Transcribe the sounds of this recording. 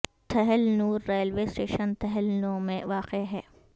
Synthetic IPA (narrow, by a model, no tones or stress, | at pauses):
t̪ʰɐɦɪlnuːɾːeːlʋeːsʈeːʃənt̪ʰɐɦɪlnoːmẽʋaːqeɦɛː